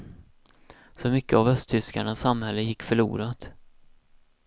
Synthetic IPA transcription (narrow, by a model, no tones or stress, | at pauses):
sɔmʏkːəavœst̪ʰʏskaɳasːamhɛlːəjɪkːfœɭṵːɾat̪